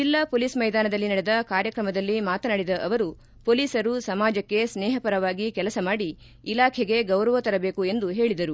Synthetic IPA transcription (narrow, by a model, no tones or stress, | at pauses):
d͡ʒilːɐpoːliːsmɐjd̪aːnɐd̪ɐlːinɐɽɛd̪ɐkaːɾjɐkɾɐmɐd̪ɐlːimaːt̪ɐnaːɽid̪ɐʔɐʋɐɾu | poliːsɐɾusɐmaːd͡ʒɐkːe̞snɛːɦɐpɐɾɐʋaːɡikɛlɐsɐmaːɽiː | laːkʰɛɡe̞ɡɐwɾɐʋɐt̪ɐɾɐbeːkue̞nd̪uɦe̞ːɭid̪ɐɾu